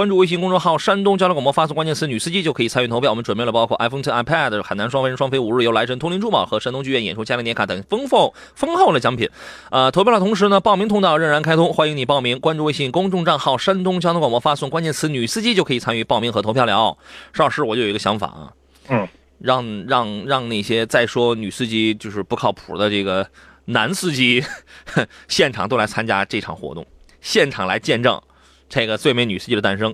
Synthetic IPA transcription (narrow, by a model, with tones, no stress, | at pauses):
kwa˥nʈ͡ʂu˥˧we˥˩ɕ̬i˥˧ŋkʊ˥ŋʈ͡ʂʊ˥˧xɑ˥˩ʊʂa˥nt̪ʊ˥ŋt͡ɕjlkwpwɔ˥˧fa˥sʊ˥˧ŋkwa˥nt͡ɕjɛ˥˧nt͡sʰɹny˨˩sɹ̩˥˧t͡ɕi˥t͡ɕjʊkʰɤ˧˥i˨˩t͡sʰny˥˩t̪ʰo˧˥pjʊɔ˨˩m˦nʈ͡ʂwə˨˩mpe˥˩lə˩pɑ˥kʰwɔ˥˩ʔa˥ɪfo˥ŋt̪ʰi˥a˧˥ɪpʰɛ˥˩d̪ə˩xa˨˩na˧˥nʂwɑ˥ŋfə˧˥ʂwɑ˥ŋfe˥ɪu˨˥ɻ̩˥˩jo˧˥ʊla˧˥ɪə˧˥nt̪ʰʊ˥li˧˥nʈ͡ʂu˥˩pɑ̰˨˩ʊxɤ˧˥ʂa˥nt̪ʊ˥ŋt͡ɕy˥˧ɥɛ˥˩njɛ̰˨˩nʈ͡ʂʰu˥t͡ɕja˥li˧˥˩jɛ˧˥kʰt̪ɤ˨˩ŋfə˥ŋfo˥˩ʊ | fɤ˥ŋxo˥˩ʊlə˩t͡ɕjɑ˥ŋpʰḭ˨˩˦ | ə˧t̪ʰo˧˥p̬ʰɑ˥˧˩jt̪ʰʊ˧˥ŋ˥ʂɻ̩˧˥nə˧pɑ˥˩ʊmi˧˥ŋt̪ʰʊ˥t̪ɑ˥˩˧ɻə˥˩nɻa˧˥nkʰa˥ɪt̪ʰʊ˥ŋxwa˥nji˧˥ŋni˨˩pɑ˥˩ʊmi˧˥ŋkwa˥nʈ͡ʂu˧we˥ɕi˥˩ŋkʊ˥ŋʈ͡ʂʊ˥˧ŋʈ͡ʂɑ˥˧ŋxɑ˥˩ʊʂa˥nt̪ʊ˥ŋt͡ɕjnt̪kwpwɔ˥˧fa˥sʊ˥˩ŋkwa˥nt͡ɕjɛ˥˩nt͡sʰɹ̩˧˥ny˨˩sɹ̩˥t͡ɕi˥t͡ɕjo˥˧ʊkʰɤ˧˥i˨˩t͡sʰa˥ny˧pɑ˥˧mi˧˥˩ŋxɤ˧˥t̪ʰʊjɑ˥˩ljɑ̰˧˥ʊʂɻ̩˥˧˩ʂɻ̩˥˩wɔ˨˩t͡ɕo˥˩jɡə˧ɕjɑ˧˥ŋfa̰˨˩ɐ̰˧ | ɻɑ˥˧ŋɻɑ˥˧ŋɻɑ˥˧ŋna˥˩ɕjɛ˥t͡sa˥˩ɪʂwɔ˥ny˨˩sɹ̩˥˧t͡ɕi˥t͡ɕjo˥˧ʂɻ̩˥˩pu˧˥kʰɑ˥˩ʊpʰṵ˨˩d̪ə˦ʈ͡ʂɤ˥˩ɡə˩ | na˧˥nsɹ̩˥˧t͡ɕi˥ | ɕjɛ˥˩nʈ͡ʂʰɑ˨˩ŋt̪o˥ʊla˧˥ɪt͡sʰa˥nt͡ɕja̰˥ʈ͡ʂɤ˥˩ʈ͡ʂʰɑ̰˨˩ŋxwɔ̰˧˥t̪ʊ̰˥˩ŋ | ɕjɛ˥˩nʈ͡ʂʰɑ˨˩ŋla̰˧˥ɪt͡ɕjɛ˥˧nʈ͡ʂɤ̰˥˩ŋ | ʈ͡ʂe˥˩ɡə˩swe˥˩ɪme˧˥ɪny˨˩sɹ̩˥˧t͡ɕi˥də˧t̪a˥˩nʂɤ˥ŋ